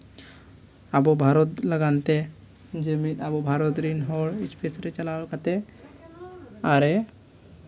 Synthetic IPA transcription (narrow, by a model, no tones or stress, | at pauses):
abobʱaɾot̪ləɡant̪e | d͡ʒəmit̪abobʱaɾot̪ɾinɦoɽispʰesɾet͡ʃɐlakat̪e | aɾe